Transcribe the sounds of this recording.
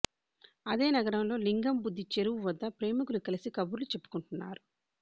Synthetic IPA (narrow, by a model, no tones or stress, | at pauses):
ɐd̪e̞ːnɐɡɐɾɐmlo̞ːliŋɡɐmbud̪ːit͡ʃe̞ɾuʋuʋɐd̪ːɐpɾe̞ːmukulukɐlisikɐbuɾlut͡ʃe̞pːu̥kuɳʈunːa̰ːɾu